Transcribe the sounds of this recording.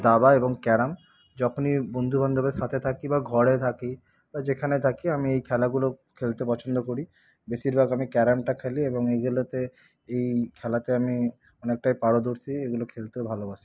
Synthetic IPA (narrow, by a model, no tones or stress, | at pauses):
d̪abaeboŋkɛɾam | d͡ʑɔkʰonibond̪ʱubʱand̪obeɾʃat̪ʰet̪ʰakibaɡʱɔɽet̪ʰaki | bad͡ʑekʰanet̪ʰakiamiejkʰɛlaɡulokʰelt̪epɔt͡ɕʰond̪okoɽi | beʃiɾbʱaɡamikɛɾamʈakʰelieboŋeɡulot̪e | ejkʰɛlat̪eami | ɔnek̚ʈajpaɽod̪oɾsʰieɡulokʰelt̪eobʱalobaʃi̥